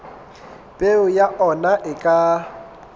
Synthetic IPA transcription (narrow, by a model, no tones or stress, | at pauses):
pʼeʊjaʔɔnaʔɪkʼa